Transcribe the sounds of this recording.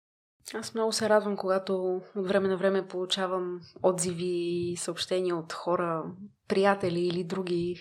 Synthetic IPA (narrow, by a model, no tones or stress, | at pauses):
asmnɔɡʊsɛɾad̪vəmkoɡat̪oot̪vɾɛmɛnɐvɾɛmɛpolˠut͡ʃavəmɔd̪ziviːsəopʃt̪ɛniəot̪xɔɾəpɾijat̪ɛliːlid̪ɾuɡʲi